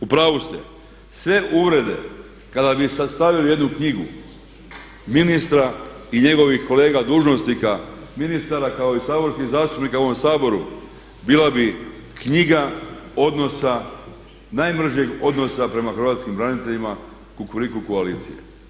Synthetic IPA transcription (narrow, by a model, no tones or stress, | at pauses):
upɾaːʋust̪ḛ | sʋe̞ʔuʋɾe̞d̪e̞̰ | kad̪abisast̪aʋilije̞d̪nukɲiɡṵ | minist̪ɾaiɲe̞ɡo̞ʋixko̞le̞ːɡad̪uːʒno̞snikaminist̪aɾakao̞isaːbo̞ɾskiɣzaːst̪upnikaoʋomsaːbo̞ɾu | biːlabi | kɲiɡao̞d̪no̞sa | najmr̩ʒje̞ɡo̞d̪no̞sapɾe̞maxɾ̩ʋat̪skimbɾanit̪e̞ʎima | kukuɾikukoaliːt̪sije̞̰